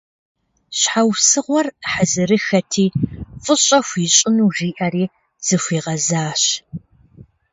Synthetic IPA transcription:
ɕħawsɨʁʷɔrħəzɨrɨxɐtʰiːfʼɨɕʼɐxʷiːɕʼɪnuːʒiːʔɐɾiː | z̥ɨxʷiːʁɐzaːɕ

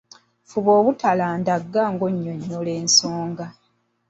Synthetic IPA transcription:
fuβo̞ːβutalaːndaɡːaŋɡoɲːoɲːole̞ːnsoːŋɡa

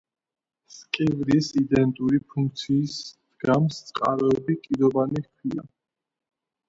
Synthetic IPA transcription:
skʼɛvɾisid̪ɛnt̪ʼuɾipʰuŋk̚ʰt̪sʰiːsd̪ɡamst̪sʼqʼaɾɔɛbikʼid̪ɔbanikʰwia̰

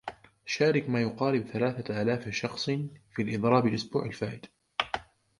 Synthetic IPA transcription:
ʃaːɾɪkmaːjʊqɑːɾɪbθalaːθaʔaːlaːfʃɑxsˤfiːlʔɨd̪ˤɾˤɑːbɪlʔʊsbuːʕalfaːʔɪd̪̥

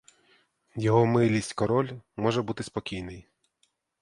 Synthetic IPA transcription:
jɔɦɔmɪlʲisʲtʲkɔɾɔlʲmɔʒɛbut̪ɪspɔkʲijnɪj

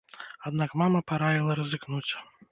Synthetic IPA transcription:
ad̪nakmamɐpaɾajʲilˠɐɾɐzɨknut͡sʲ

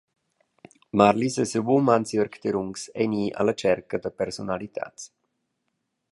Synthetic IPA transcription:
maɾlisɛsəbumansjɔɾkt̪eɾuŋksɛ̰niːʔa̰lat͡ʃɛɾkəd̪apɛɾsonalit̪ʰa̰ːt̪s

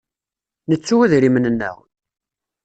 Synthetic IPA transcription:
nət͡sːuwæðɾimənənːæ̰ʁ

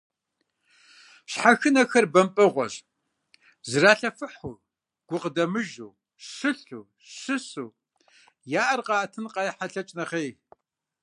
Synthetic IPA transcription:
ɕħaxɨnɐxɐrbɐmpʼɨʁʷɔ̰ɕ | zɨraːɬɐfɨħu | ɡ̥ʷʊqədɐmɨʒuː | ɕɨɬuː | ɕɨsuː | jaːʔɐrqɑːtʰɨnqɑjħaɬɐt͡ʃʼnɐχeːj

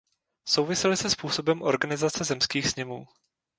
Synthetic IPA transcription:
sowvɪsɛlɪsɛspuːso̞bɛmʔo̞̰ɾɡanɪzat͡sɛzɛmskiːxsɲɛmuː

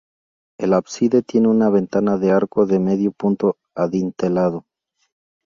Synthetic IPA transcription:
e̞laβsiðe̞t̪je̞neunaβe̞nt̪anaðe̞aɾko̞ðe̞me̞ðjopunt̪o | aðint̪e̞lað̞o̞

